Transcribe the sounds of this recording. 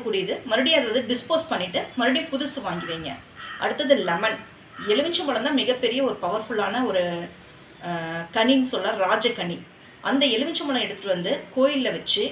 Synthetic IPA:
kːuːɽɪjɐðɯmɐɾɯɽɪj̃ɐðɾɐðɯɖɪspoːspɐɳːɪʈːɯmɐɾɯɽɪjʊ̃pʊðʊsɯʋaːŋɡɪʋeːŋɡɐ̰ | ʔɐ̰ɽɯt̪ːɐðɯlɛmɐn | ɛɭɯʋɪɲt͡ʃːɯmɐɭɐmt̪ãːmɪɣɐpːɛɾɪjɐɔɾɯpɐʋɐɾfɯɭaːnɐɔɾɯ | kɐɳinːɯsɔlːɐɾaːd͡ʒɐkɐɳːi | ʔɐnd̪ɐɛɭɯʋɪɲt͡ʃːɯmbɐɭɐ̃ɛɽɯt̪ːɯ̥ʈːɯʋɐnd̪ɯkoːjɪlːɐʋɐt͡ʃːɯ

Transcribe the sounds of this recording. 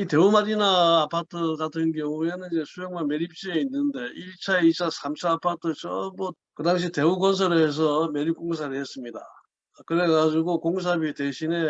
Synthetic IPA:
ite̞umaɾinaːpʰatʰɯɡatʰɯnkjʌŋue̞nɯnid͡ʑe̞sʰujeŋmanme̞ɾip̚t͡ɕ͈ieinːɯnde̞ʔiɭt͡ɕʰaeit͡ɕʰasʰamt͡ɕʰaːpʰatʰɯt͡ɕʌmu | kɯdaŋɕ̬ʰite̞uɡʌns̬ʰʌɾeːs̬ʰʌme̞ɾip̚k͈oŋs̬ʰaɾiɦes͈ɯmɲida̰ | kɯɾe̞ɡad͡ʑuɡokoŋs̬ʰabite̞ɕʰine̞

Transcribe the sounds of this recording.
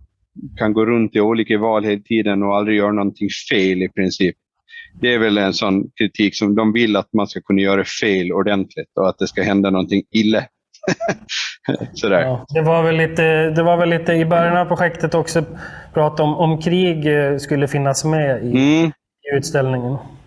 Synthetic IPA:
kʰanɡoːɾɵnt̪ɪuːliːkəvɑːlheːlt̪ʰiːd̪ənɔald̪ɾɪɡjœːɾaɳɔnt̪ʰɪŋfeɪlɪpʰɾɪnsiːp̚ | d̪ɛæɾvɛlɛnsɔnːkʰɾɪt̪ʰiːksɔmd̪ɔmvɪlːat̪̚manskakʰɵnːajœːɾaɛfeɪlɔɖ̪ɛnt̪ʰlɪt̪ɔat̪̚d̪ɛskahɛnd̪anɔnt̪ʰɪŋɪlːə | sɔd̪æːɾd̪ɛvaɾvɛlːiːt̪əd̪ɛvaɾvɛlːiːt̪əɪbœɾjanavpʰɾʊɧɛkt̪ət̪ɔksɔpʰɾɑːt̪aɔmɔmkʰɾiːɡskɵlːəfɪnːasmɛɪ | ʉ̟ːt̪st̪ɛlnɪŋən

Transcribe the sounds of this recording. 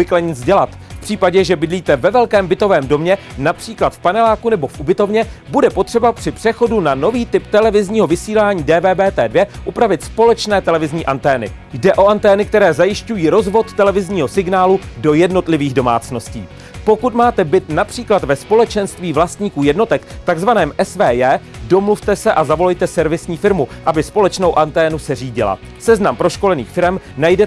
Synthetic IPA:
ɪklɛɲɪt͡sɟɛlat̪ | fpr̥iːpaɟɛʒɛbɪdliːt̪ɛvɛvɛlkɛːmbɪt̪o̞vɛːmdo̞mɲɛ | napr̝̥iːklat̪fpanɛlaːkunɛbo̞fʔubɪt̪o̞vɲɛbudɛpo̞t̪r̥ɛbapr̥ɪpr̥ɛxo̞dunano̞viːt̪ɪpt̪ɛlɛvɪzɲiːɦo̞vɪsiːlaːɲiːdɛːbɛːbɛːt̪ɛːdvjɛʔupɾavɪt̪spo̞lɛt͡ʃnɛːt̪ɛlɛvɪzɲiːʔant̪ɛːnɪ̰ | jdɛʔo̞ʔant̪ɛːnɪk̚t̪ɛɾɛːzajɪʃcujiːɾo̞zvo̞t̪ːɛlɛvɪzɲiːɦo̞sɪɡnaːludo̞jɛdno̞t̪lɪviːɣdo̞ma̰ːt͡sno̞scḭː | po̞kut̪maːt̪ɛbɪt̪napr̥iːklat̪vɛspo̞lɛt͡ʃɛnst̪viːvlast̪ɲiːkuːjɛdno̞t̪ɛkt̪aɡzvanɛːmʔɛsvɛːjɛːdo̞mluft̪ɛsɛʔazavo̞lɛjt̪ɛsɛɾvɪsɲiːfɪɾmuʔabɪspo̞lɛt͡ʃno̞wʔant̪ɛːnusɛriːɟɪla̰ | sɛznampɾo̞ʃko̞lɛnḭːxfɪɾɛmnajdɛ

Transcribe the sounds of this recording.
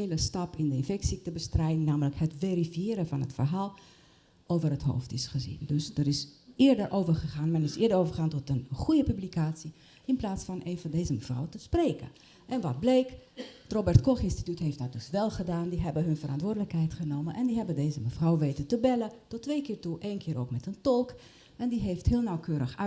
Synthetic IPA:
ləstɑpɪndəɪnfɛksik̚təbəstrɛjdɪŋnaːmələkhətʋerifijɪːɾəvɑnɦətfərɦaːlˠ | ʔowvərɦətɦo̰wftɪsχəzḭndøsdəɾɪsɪəɹdərʔowvərχəχaːnmɛnɪsɪːdəowvərχaːntɔtənχujəpyblikaːtsi | ɪnplaːtsfɑnʔeːnvɑndeːzəməvra̰wtəspreːkə̰ | ʔɛnʋɑt̚bleːkrobɛrɹtkɔχɪnsti̥tytɦeftdɔt̚dɵsʋɛlˠχədaːndiɦɛbəɦɵnfərʔɑ̰ntʋʊːdələkɦɛjtχənowmənʔɛndiɦɛbədejzəməfrawʋeːtətəbɛlətɔtːʋejkɪːɹtuʔeːnkʰɪːɾo̰wkmɛtəntɔlˠk | ɛndiɦefthɪːlˠnawkʰøːɾəxœ

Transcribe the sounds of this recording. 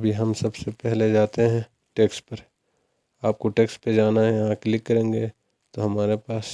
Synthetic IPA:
bʱiɦɐmsɐbsepɛɦled͡ʒaːt̪eɦɛ̃ | ʈeːksʈ̚pɐɾ | aːp̚koʈeːksʈ̚ped͡ʒaːnaɦɛjɐɦãklɪkːɐɾẽːŋɡe | t̪oɦɐmaːɾepaːs

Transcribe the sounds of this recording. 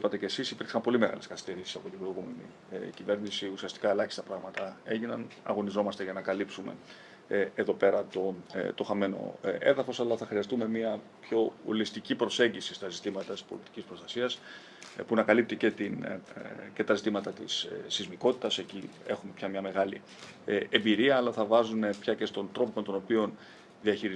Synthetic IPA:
pɐt̪e̞ce̞sisipiɾksɐmpo̞lime̞ɣɐ̰le̞skɐθi̥st̪eɾisi̥sɐpo̞t̪ibɾo̞iɣume̞nḭ | cive̞ɾnisiusiɐst̪i̥kɐe̞lɐçist̪ɐpɾɐɣmɐt̪ɐe̞ʝinɐnɐ̰ɣo̞nizo̞mɐst̪eʝɐnɐkɐlipsume̞̰ | eðo̞pe̞ɾɐt̪o̞t̪o̞xɐme̞no̞̰eðɐfo̞sɐlɐθɐxɾiɐst̪ume̞miɐpço̞o̰list̪icipɾo̞se̞ɲɟisist̪ɐzit̪imɐt̪ɐt̪i̥spo̞lit̪i̥cispɾo̞st̪ɐsiɐs | punɐkɐlip̚t̪ice̞t̪in | ce̞t̪ɐzit̪imɐt̪ɐt̪ḭsːizmiko̞t̪i̥t̪ɐse̞cie̞xume̞pçɐmɲɐme̞ɣɐli | e̞mbiɾiɐːlɐθɐvɐzune̞pçɐce̞st̪o̞nt̪ɾo̞pomet̪o̞no̞pion | ðiɐçiɾi

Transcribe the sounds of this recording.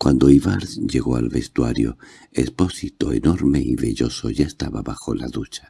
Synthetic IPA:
kwand̪oiβaɾsʝeɣo̞alβest̪waɾjo̰ | espo̞sit̪o̞eno̞ɾmeiβeʎo̞so̞ʝaest̪aβaβaxo̞laðut͡ʃḁ

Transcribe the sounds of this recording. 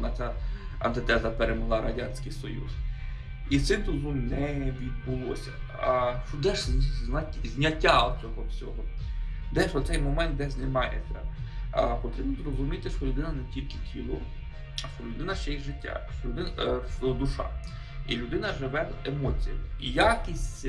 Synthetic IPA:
nɐt͡s̪ʲa | ɐ̰nt̪ɪt̪ɛzɐpeɾemʊlˠɑɾɐdʲanʲsʲkɪjsɔjṵs | it̪sɪmt̪ʊzumnɛʋʲid̪̚bʊlˠɔ̰sʲɐ | ʃɔd̪ɛʒzʲnɐtʲzʲnʲɐtʲːaɔt͡sʲɔɦɔt͡sʲɔɦɔ | d̪ɛʃɔt̪sɛjmɔmɛnt̪̚d̪ɛsʲnemɑjɛ̰sʲɛ | pɔt̪ɾibnʊzrɔzʊmʲit̪ɪʃɔlʲʊd̪ɪnɐnetʲilʲkɪtʲʰilˠɔ | ʃɔlʲʊd̪ɪnɐʃt͡ʃɛjixʒɪtʲːa̰ʃɔlʊd̪ɪʃɔd̪ʊʃɑ̰ | ilʲʊd̪ɪnɐʒɪʋɛemɔt͡sʲijɐmijakʲisʲtʲ

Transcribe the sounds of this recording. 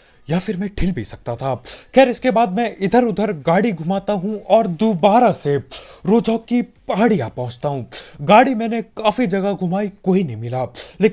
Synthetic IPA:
jaːfɪɾmɛ̃ʈʰɪlbʱisɐk̚t̪at̪ʰaxɛːɾɪskebaːd̪̚mɛ̃ʔɪd̪ʱəɾʊd̪ʱəɾɡaːɽiɡʱʊmaːt̪aɦũɔːɾd̪obaːɾaseɾoːd͡ʒɔːkːipaːɽijaːpɔ̃ɦʊ̃t͡ʃt̪aɦũɡaːɽimɛ̃ːnekaːfid͡ʒɐɡaɡʱʊmaːikoːinɐɦĩmɪlaːleːk

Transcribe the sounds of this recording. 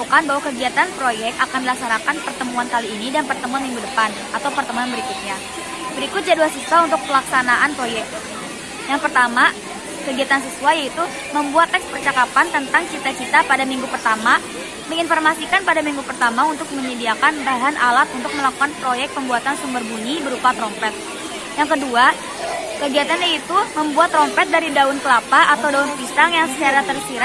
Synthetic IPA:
ukanbaɦwakəɡiat̪anpɾojɛk̚t̪akandilasaɾakanpərt̪əmuant̪aliːnidanpərt̪əmuanmiŋɡudəpan | at̪awpərt̪əmuanbəɾikut̪̚ɲa | bəɾikʊt̪̚d͡ʒaduasisuaunt̪ʊk̚pəlaksanaʔanpɾojɛk̚ | jaŋpərt̪ama | kəɡiat̪ans̬əsuajait̪u | məmbuat̪ːɛkspərt͡ʃakapant̪ənt̪aŋt͡ʃit̪at͡ʃit̪apadamiŋɡupərt̪ama | məŋinformasikanpadamiŋɡupərt̪amaunt̪ʊk̚məɲədiakanbaɦanʔalat̪unt̪ʊk̚məlakukanpɾojɛk̚t̪̚pəmbuat̪ansumbərbuɲibəɾupat̪ɾɔmpɛt̪̚ | jaŋkədua | kəɡiat̪anjait̪uməmbuat̪ːɾɔmpɛt̪̚daɾidaʊnkəlapaʔat̪awdaʊnpisaŋjaŋsət͡ʃaɾat̪ərsiɾa

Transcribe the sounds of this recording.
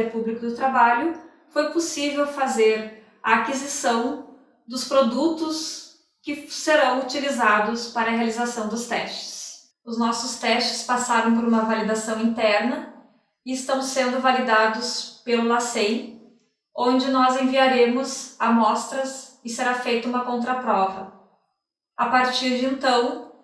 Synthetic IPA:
ɪɾpublikʊd̪ʊt̪ɾabaʎʊ | fojposivewfazeɾ | ɐːkizisɐ̃w̃ | d̪ʊspɾod̪ut̪ʊs | kɪseɾɐ̃w̃ut͡ʃilizad̪ʊspaɾɐɦealizasɐ̃w̃d̪ʊst̪ɛst͡ʃɪ̥s | ʊznɔsʊst̪ɛst͡ʃɪ̥spasaɾɐ̃w̃poɾũmɐvalid̪asɐ̃w̃ĩt̪ɛɾnɐ | ɪɪst̪ɐ̃w̃sẽnd̪ʊvalid̪ad̪ʊspelʊlasej | õnd͡ʒɪnɔzẽviaɾẽmʊzamɔst̪ɾɐsɪseɾafejt̪ɐũmɐkõnt̪ɾɐpɾɔvɐ | apaɾt͡ʃiɾd͡ʒɪẽnt̪ɐ̃w̃

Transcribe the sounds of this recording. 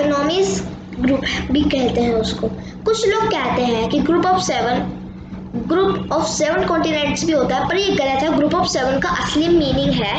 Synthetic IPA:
knɔːmɪs | ɡɾuːpbʱikɛɦlt̪eɦɛ̃ʊskoː | kʊt͡ʃʰloːɡ̚kɛɦt̪eɦɛ̃kiɡɾuːpɔːfsɛːʋən | ɡɾuːpɔːfsɛːʋənkɔ̃ːɳʈinẽːɳʈsbʱiɦoːt̪aɦɛpɐɾjeɡɐɾat̪ʰaɦɡɾuːpɔːfsɛʋənkaʔɐslimːiːnɪ̃ŋɡɦɛː

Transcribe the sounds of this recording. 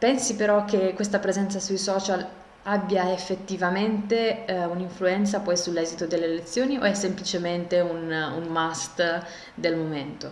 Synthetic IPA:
pɛnsipeɾɔk̟ːekwest̪apɾezɛnt̪sasujsɔːt͡ʃal | abːjaefːet̪ːivament̪euniɱfluɛnt̪sapɔjsulːɛzit̪od̪elːelet̪sːjoːnio̰ɛsːemplit͡ʃement̪eununmast̪ | d̪elmoment̪o

